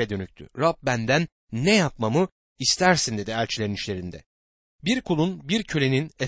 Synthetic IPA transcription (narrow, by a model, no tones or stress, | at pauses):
ɛd̪ønyc̚ʲt̪ʰy̰ɾap̚bænd̪ænː | ɛjap̚mamɯ | ist̪ʰæɾsind̪e̞d̪iælʲt͡ʃʰilʲe̞ɾiniʃlʲe̞ɾind̪ɛ | biɾkʰulˠunbiɾcʰølʲe̞ninɛ